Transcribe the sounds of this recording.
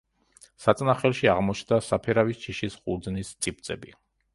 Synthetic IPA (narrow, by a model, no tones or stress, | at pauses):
sat̪sʼnaχɛlˠʃiaʁmɔt͡ʃʰnd̪asapʰɛɾavist͡ʃʰiʃisχʼuɾd̪znist̪sʼip̚t̪sʼɛbi